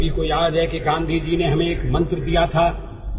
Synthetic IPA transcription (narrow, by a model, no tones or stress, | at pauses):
bʱikojaːd̪ɦɛkeɡãːnd̪ʱid͡ʒineɦɐmẽeːkmɐ̃nt̪ɾd̪ijat̪ʰaː